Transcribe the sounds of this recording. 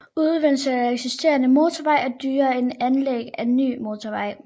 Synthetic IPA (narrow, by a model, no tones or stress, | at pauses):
uð̞ˠʋen̰sə̥æeɡ̥sisd̥e̝̰ːɐnəmo̝ːt͡sʰoʋɑ̈ɪ̰ɐd̥yːɐe̝nænleɡ̥æenːy̰ːmo̝t͡sʰoʋɑ̈ɪ̰